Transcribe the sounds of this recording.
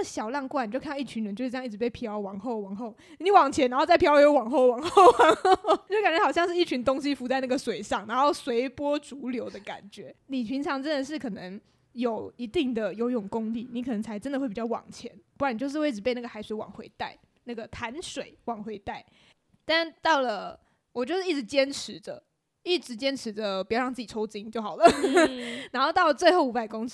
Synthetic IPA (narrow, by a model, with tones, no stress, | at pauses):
ɕjɑ˨˩ʊlɑ˥˧ŋkwni˨˩t͡ɕo˥˧k̪ʰːi˥˩t͡ɕʰy˧˥nɻə˧˦nt͡ɕo˥˧˥ji˥˩ɻ̩˧˥pe˥˩ɪpʰjɑ˧˥ʊwɑ˨˩ŋxo˥˧ʊwɑ˨˩ŋxo˥˩ʊ˧˩ni˧˥wɑ˨˩ŋt͡ɕʰjɛ˧˥nɻa˧˥nxo˥˧t͡sa˥˩ɪpʰjwe˥˧wɑ˨˩ŋxo˥˩ʊwɑ˨˩ŋxo˥˩ʊwɑ˨˩ŋ˨˧˥ka˨˩nt͡ɕɛ˥xɕjɑ˥˧ŋʂɻ̩˥˩i˥˩t͡ɕʰy˧˥nt̪ʊ˥ŋɕ̬i˧˥fu˧˥t͡sa˥˧ɪna˥˩ɡə˩swe˨˩ɪʂɑ˥˩ŋna˧˥nxo˥˩ʊswe˧˥ɪpwɔ˥t͡su˧˥ljo˧˥ʊd̪ə˧ka̰˨˩nt͡ɕɥɛ˧˥˦ni˨˩pʰi˧˥ŋʈ͡ʂʰɑ˧˥ŋʈ͡ʂə˦˥nd̪ə˨˩ʂ̬ɻ̩˥˩kʰɤ˨˩nə˧˦ŋ | jo˨˩ʊi˧˥t̪i˥˩ŋd̪ə˩jo˧˥ʊi˥˩ʊ˨˩ŋkʊ˥ŋli˥˩ni˧˥kʰɤ˨˩nɤ˧˦ŋt͡sʰa˧˥ɪʈ͡ʂə˥nd̪we˥˩pi˨˩t͡ɕɑ˥˩wɑ̰˨˩ŋt͡ɕʰjɛ̰˧˦npu˥˩kwa˨˩n˩t͡ɕjo˥˧ʊʂɻ̩˥˧we˥˩ɪʈ͡ʂɻ̩˧˩pe˥˧ɪna˥˩ɡə˩xa˧˥ɪswe˧˥ɪwɑ̰˨˩ŋxwḛ˧˥ɪt̪a˥˩ɪ | na˥˩ɡə˩t̪ʰa˧˥nʂwe˨˩˦ɪwɑ˨˩ŋxwe˧˥ɪt̪a˥˩ɪ | t̪a˥˧t̪ɑ˥˩ʊlə˩ | wɔ˨˩t͡ɕjo˥˧ʊʂɻ̩˥˩i˥˩ɻ̩˧˦t͡ɕjɛ˥nʈ͡ʂʰɻ̩˧˦d̪ə˨ | i˥˩ʈ͡ʂɻ̩˧˥t͡ɕjɛ˥nʈ͡ʂʰɻ̩˧˥d̪ə˧pi˨˩t͡ɕɑ˥˧ɑ˥˧ŋt͡s̩˥˩t͡ɕi˨˩ʈ͡ʂʰo˥ʊt͡ɕi˥ŋt͡ɕjo˥˩ʊxɑ˨˩lə˦ | na˧nxo˥˧ʊt̪ɑ˥˩ʊlə˩t͡swe˥˧ɪxo˥˩u˧˥pa˨ɪkʊ˥ŋ